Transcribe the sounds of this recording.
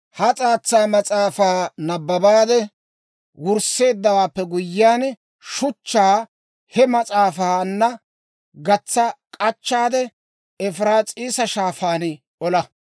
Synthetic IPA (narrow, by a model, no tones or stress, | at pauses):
hɐt͡sʼaːt͡sːaːmɐt͡sʼaːfaːnɐbːɐbaːd̪ɛ | wʊɾse̞ːd̪ːɐwaːpːɛɡʊjːaːn | ʃʊt͡ʃːaː | hɛmɐt͡sʼaːfaːnːɐ | ɡɐt͡sːɐkʼɐt͡ʃːaːd̪ɛ | ɛfɾaːt͡sʼiːsɐʃaːfaːn | ɔlɐ